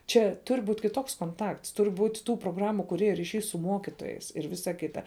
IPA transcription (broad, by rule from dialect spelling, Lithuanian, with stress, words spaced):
ˈt͡ʃʲɛ ˈtʊrʲ ˈbuːtʲ kʲɪˈtoːks koːnˈtɐkts ˈtʊrʲ ˈbuːtʲ ˈtuː proːˈɡrɑːmʊ kʊˈrʲeːjʊ rʲiːˈʃʲɛɪ sʊ ˈmoːkʲɪtoːjɛɪs ɪr ˈʋʲɪsɐ ˈkʲɪtɐ